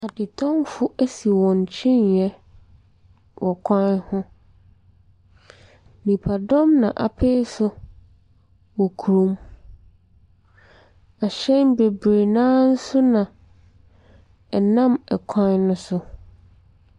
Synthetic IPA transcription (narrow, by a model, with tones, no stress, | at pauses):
a˨dɪ˨tʰɔ̃˦mfʊ˦ʔæ˦si˨wɔ̃˨ɲ˨t͡ɕʰĩ˦njɛ˦ | wʔɔ˨kʷʰã˦nhʊ̃˦ | nĩ˨pʰa˨dɔ̃˦mnã̰˨ʔa̰˨pʰeː˦sʊ˦ | wɔ˨kʰu˨ɾũ˦m | a˨ɕɛ̃˦nbe˨bɾe˨nãː˦n̩˦sʊ˦nã˨ | ɛ˨nã˦mɛ˨kʷʰã˦nnʊ̃˦sʊ˦